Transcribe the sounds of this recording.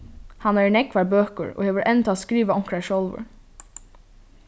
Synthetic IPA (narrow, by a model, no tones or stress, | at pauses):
hanæɹnɛkʋaɹbøːkə̰ɹo̰ːheːʋəɾʔɛnt̪ʰaːskɾiːʋaʊŋ̥kɹaʃɔlʋə̰ɹ